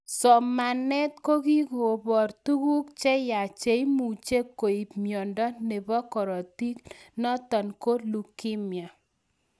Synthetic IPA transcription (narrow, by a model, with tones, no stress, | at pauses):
sɔ˨ma˨nɛ˦t̪̚ko˦ɡi˦ɡo˨bɔ˨ɾt̪u˦ɡu˦kt͡ʃɛ˦ja˨t͡ʃe˨˦i˦mu˨t͡ʃe˦kːo˨i˨pmjɔ˨ndɔ˦ne˨bɔ˦kɔ˨ɾɔ˨ti˦knɔ˦t̪ɔ˨nko˦lu˨ki˦mja˨